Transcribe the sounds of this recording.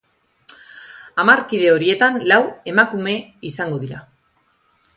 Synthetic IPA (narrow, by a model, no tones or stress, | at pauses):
amaɾkiðe̞o̞ɾie̞t̪anlawe̞makume̞isaŋɡo̞ðiɾa